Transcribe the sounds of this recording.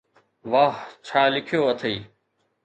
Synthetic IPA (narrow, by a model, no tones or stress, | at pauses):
ʋaːɦt͡ʃʰaːlɪkʰɪjoːət̪ʰeiː